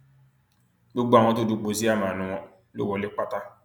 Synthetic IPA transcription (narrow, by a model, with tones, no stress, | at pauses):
bu˦ɡ͡ba˨ŋ˦ɔ˦tʊ˦du˨k͡po˨zi˦a˦ma˨nʊ˦ŋɔ˦ | lo̰˦wɔ˨lɪ˦k͡pa˦ta˦